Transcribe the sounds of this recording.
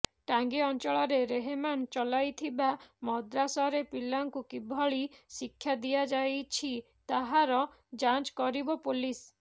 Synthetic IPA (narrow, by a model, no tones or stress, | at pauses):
ʈaŋɡiɔnt͡ʃɔɭɔɾeɾeɦemant͡ʃɔlajt̪ʰibamɔd̪ɾasɔɾepilːaŋkukibʱɔɭisikʰːjad̪iad͡ʒajt͡ʃʰi | t̪aɦaɾɔ | d͡ʒant͡ʃkɔɾibɔpulis